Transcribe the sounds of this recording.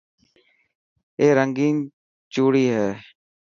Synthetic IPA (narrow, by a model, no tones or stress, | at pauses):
eːɾəŋɡiːŋ | t͡ʃuːɽiːɦɛː